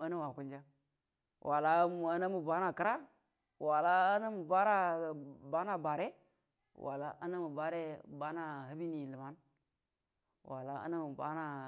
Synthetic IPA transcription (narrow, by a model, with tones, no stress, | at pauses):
a˦na˦wa˨ku˦ld͡ʒa˦ | wʔa˨la˦˨a˨na˦mu˨ba˦na˦˨ki˦ɾa˦ | wa˨la˦a˦na˦mu˨ba˦ɾa˦ba˦na˦ba˨ɾe˦ | wa̰˨la˦ʔa˦na˦mu˨ba˦ɾe˦ba˦na˦ɦa˦bi˦ni˨lə˨ma˦n | wa̰˨la̰˦a̰˦na˦mu˨ba˦na˦